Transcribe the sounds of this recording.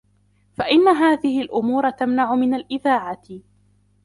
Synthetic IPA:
faʔɪnːaɦaːðɪhɪlʔʊmuːɾˤɑt̪amnaʕʊmɪnalʔɪðaːʕat̪

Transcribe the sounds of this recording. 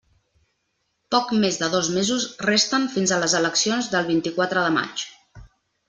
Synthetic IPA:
pɔkmezðəðɔzmezusrest̪əɱfinzələzələksionzðəlˠβint̪ikwat̪ɾəðəma̰t͡ʃ

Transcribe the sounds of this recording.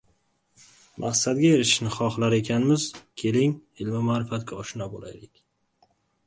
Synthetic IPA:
mʔa̰χsad̪ɡʲaeɾɪʃɪʃnɪχɒχlaɾe̞kʲʰanmɪzkʲʰe̞lɪŋɪlmɪmaːɾɪfat̪̚ɡʲaɒʃɪnabola̰jlɪkʲ

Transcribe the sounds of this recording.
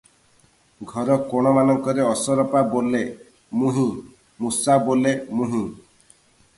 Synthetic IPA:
ɡʱɔɾɔkɔɽ̃ɔmanɔŋkɔɾeɔsɔɾɔpabole | mũɦĩ | musabolemũɦĩ

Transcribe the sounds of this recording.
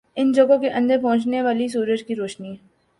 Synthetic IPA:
ɪnd͡ʒoːɡõkeʔɐ̃nd̪əɾpɔɦʊ̃t͡ʃneʋaːlis̬uːɾət͡ʃkiɾoːʃniː

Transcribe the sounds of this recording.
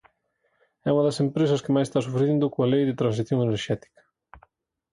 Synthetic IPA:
ɛuŋɐðɐsempɾesɐskɪmajsest̪asufɾeðind̪ʊkoalejðɪt̪ɾans̬iθjoŋeneɾʃɛt̪i̥kɐ̥

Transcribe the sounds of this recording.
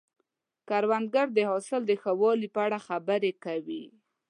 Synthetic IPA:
kaɾwand̪̚ɡaɾd̪əhɑsɪld̪əxəwɑlipəaɽaxabəɾekawḭ

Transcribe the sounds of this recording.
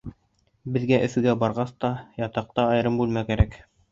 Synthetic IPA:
bɘ̆ðɡæʔɵ̆fɘ̆ɡæbɑɾʁɑst̪ɑjɑt̪ɑq̚t̪ɑɑjɾɤmbʉlmækæɾæk

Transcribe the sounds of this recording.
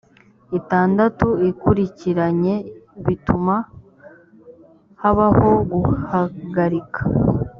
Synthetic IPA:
itaːndatuikuɾiciɾaɲe̞βituma | haβaho̞ɡuhaɡaɾikḁ

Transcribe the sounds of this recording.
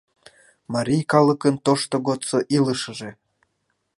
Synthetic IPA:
mɑɾʲijkɑləkənt̪oʃt̪oɣot̪t͡soʔiləʃə̆ʒe

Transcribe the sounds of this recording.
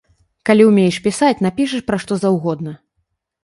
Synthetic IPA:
kalʲiwmʲejʂpʲisat͡sʲnapʲiʂ̬ɐʂpɾaʂt̪ɔzawɣɔd̪nɐ

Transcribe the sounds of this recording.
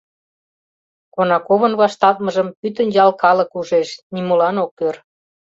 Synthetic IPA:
konɑkoβənβɑʃt̪ɑt̪̚məʒəmpyt̪ənjɑlkɑləkuʒeʃnimolɑnokːør

